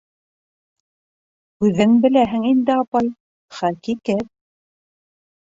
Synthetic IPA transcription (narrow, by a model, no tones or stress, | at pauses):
kʉðɘŋbɘ̆læɦɘ̆ŋind̪ɘɑpɑj | χækikɘt̚